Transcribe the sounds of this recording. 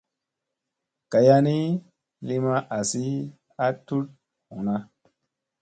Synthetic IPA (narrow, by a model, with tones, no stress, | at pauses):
ka˨ja˧ni˦ | li˦ma˦ʔa˨si˦ | a˦tu˦t̚ | hu˨na˦